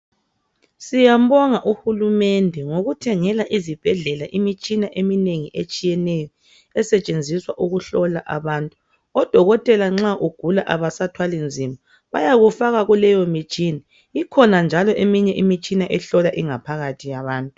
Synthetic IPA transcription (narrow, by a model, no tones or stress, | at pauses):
sijam̩bɔŋaʔuxulumɛndʱɛŋoɣutʰɛŋɛlaʔizib̥ʱɛɮɛlaʔimit͡ʃʼinaʔemineŋiʔet͡ʃʼijɛnɛjɔ | ɛsɛt͡ʃʼend͡zʱiswaʔuɣuɬɔlaʔaβaːntʼu | ɔd̥ʱɔɣɔtʼɛlaŋ͡ǁaʔuɡ̥ʱulaʔaβasatʰwalind͡zʱima | βajaɣufaɣaɣulɛjɔmit͡ʃʼina | ikʰɔnand͡ʒʱalɔʔemiɲɛʔimit͡ʃʼinaʔɛɬɔlaʔiŋapʰaɣatʰijaβaːntʼu